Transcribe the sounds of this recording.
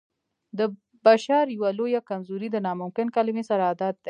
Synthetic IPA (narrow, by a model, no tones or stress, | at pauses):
d̪ə | baʃɑɾjawalojakamzuɾid̪ənɑmʊmkɪnkalɪmesaɾaːd̪ɑt̪̚d̪e